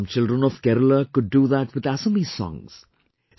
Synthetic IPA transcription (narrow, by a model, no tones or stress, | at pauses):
mt͡ʃɪldɾə̃nɔvkɛɾələkʊɖ̚ːuðæʈwɪðæsəmisɔ̰̃ŋz̥